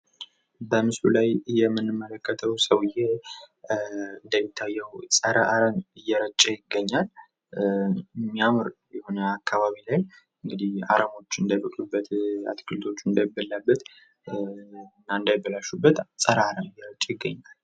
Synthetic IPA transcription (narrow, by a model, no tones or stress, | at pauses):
bəmɨslulajjɛmːɨnːɨmːələkʰːət̪ʰəwsəwɨjːe | ɨnd̪əmɪt̪ʰːajːɛwsʼəɾəʔaɾənɨjːɛɾət͡ʃʼːəjɪɡːəɲːal | mːiamɨɾjɛho̞nəakʰːaβaβilaj | ɨŋɡɨd̪iha̰ɾəmo̞t͡ʃːɨnd̪əbət̪ʼubːət̪a̰t̪ʼkʰɨlt̪ʰo̞t͡ʃːɨnd̪əmɪbːəlːabːət̪ | nːaɨnd̪ajɛbːəlaʃubːət̪sʼəɾəaɾəmɨjːɛɾət͡ʃʼəjɪɡːəɲːal